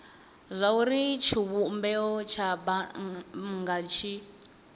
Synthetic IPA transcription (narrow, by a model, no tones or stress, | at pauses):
zʷauɾit͡ʃʰiβumbɛɔt͡ʃʰaba | ŋɡat͡ʃʰi